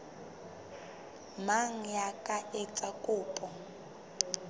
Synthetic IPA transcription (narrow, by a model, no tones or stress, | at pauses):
maŋ̩jakʼaʔɛt͡sʼakʼuːpʼɔ